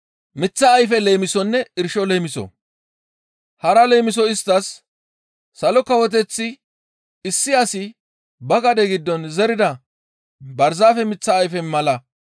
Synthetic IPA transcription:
mɪt͡sːɐːjfɛle̞ːmɪsɔnːɛɪɾʃɔleːmɪsɔ̰ | hɐɾɐleːmɪs̬ɔɪst̪ːɐsː | ɐlɔkɐwɔt̪̬ɛt͡sːɪ | ɪsːɪɐsɪ | bɐɡɐd̪ɛɡɪd̪ːɔnzɛɾɪd̪ɐ | bɐɾzaːfɛmɪt͡sːɐːjfɛnmɐlɐ

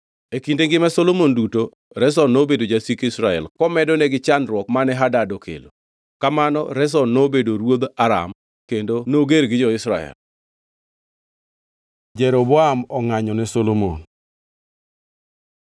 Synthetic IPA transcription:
ekindeŋɡɪmɛsolomonduto | ɾɛs̬ɔnobedod͡ʒasikɪsɾaɛ̰lkɔmɛdɔnɛɡɪt͡ʃanɾwɔkmanɛɦadadɔkʰḛlo̰ | kamanɔ̰ɾɛs̬ɔnnobedoɾwod̪aɾa̰m | kendonoɡeɾɡɪd͡ʒɔɪsɾaɛ̰l | d͡ʒɛɾobɔamɔŋaɲɔnɛsolomo̰n

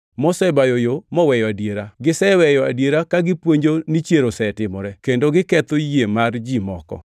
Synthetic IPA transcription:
mɔsɛbajojomɔwɛjɔadjeɾaɡɪsɛwɛjɔa̰djeɾakaɡɪpweɲd͡ʒonit͡ʃjeɾosɛtɪmɔɾɛkendoɡɪkɛt̪ojjemard͡ʒimɔkɔ̰

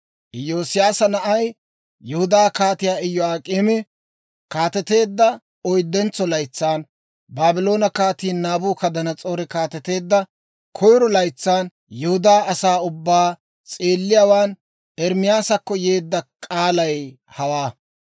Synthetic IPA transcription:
ʔɪjːo̞ːsɪjaːsɐnɐʔɐj | jɛhʊd̪aːkaːt̪ɪjaːɪjːɔaːkʼeːmɛ | kaːt̪ɛt̪e̞ːd̪ːɐ | ɔjd̪ːɛnt͡sːɔlɐjt͡sːaːn | baːbɪlo̞ːnɐkaːt̪iːnːaːbuːkɐd̪ɐnɐt͡sʼo̞ːɾɛkaːt̪ɛt̪e̞ːd̪ːɐ | kʰɔjɾɔlɐjt͡sːaːn | jɛhʊd̪aːɐsaːʊbːaː | t͡sʼeːlːɪjaːwaːn | ɛɾmɪjaːsɐkːɔjeːd̪ːɐkʼaːlɐj | hɐwaː

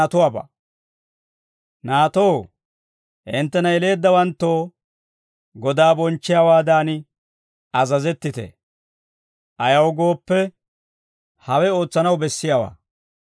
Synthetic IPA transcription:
t̪ʊwaːbɐ̰ | naːt̪oːw | ʔɪnt̪ːɛnɐɛle̞ːd̪ːɐwɐnt̪ːo̞ː | ɡɔd̪aːbɔnt͡ʃːɪjawaːd̪aːn | ɐzɐzɛt̪ːɪt̪ɛ̰ | ʔɐjɐwɡo̞ːpːɛ | hɐwɛo̞ːt͡sːɐnɐwbɛsːɪjawa̰ː

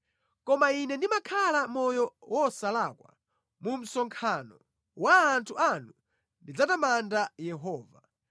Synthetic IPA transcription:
kɔmainɛndimakʰalamɔjɔwɔsalakwa̰ | mum̩sɔŋkʰanɔ | waːntʰuanu | ndid͡zatamandajɛɦɔːva

